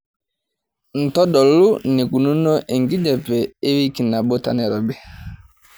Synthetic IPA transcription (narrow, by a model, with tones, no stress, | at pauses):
n̩˨tɔ˦ɗɔ˨lu˦nɪ˨ku˨nu˦no˦ʔe˨ŋ˨ɡi˦d͡ʒɛ˨pɛ˨e˦βi˦ki˨na˨bo˦ta̰˨nɛ˨ɾɔ˨bɛ˦